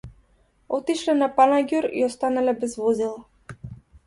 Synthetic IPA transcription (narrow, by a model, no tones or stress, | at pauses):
ɔt̪iʃlɛnapanaɡʲuɾḭɔst̪analɛbɛzvɔzilˠa